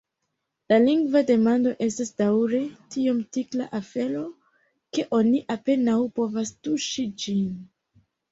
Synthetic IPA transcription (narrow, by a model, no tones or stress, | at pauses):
laliŋɡvade̞mando̞ʔe̞stasdawɾe̞tiomtiklaʔafe̞lo̞ | ke̞ʔo̞niʔape̞nawpo̞vastuʃid͡ʒin